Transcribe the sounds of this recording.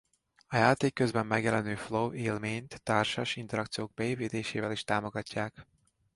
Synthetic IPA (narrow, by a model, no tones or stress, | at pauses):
ɒjaːt̪eːkːøzbɛmːɛɡjɛlɛnøːfloːeːlmeːɲt̪ːaːrʃaʃint̪ɛɾɒkt̪sijoːɡ̚bɛeːviːt̪eːʃeːvɛliʃt̪aːmo̞ɡɒcːaːk